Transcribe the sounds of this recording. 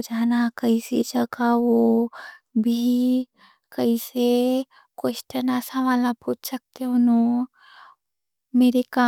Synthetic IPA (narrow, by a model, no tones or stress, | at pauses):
d͡ʒaːnakɐised͡ʒɐɡaʋo | bʱi | kəise | kwesʈənasaʋaːlapuːt͡ʃsɐk̚t̪eɦʊnõ | meːɾekaː